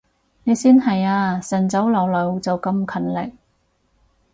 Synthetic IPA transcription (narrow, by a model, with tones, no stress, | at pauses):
ne˨˧jsiː˥nɦɐ˨jaː˧sɐ˨˩nt͡sɐ˨˥wlɐ˨˧wlɵ˨˧wt͡sɐ˨wkɐ˧mkʰɐ˨˩nlɪ̰˨k̚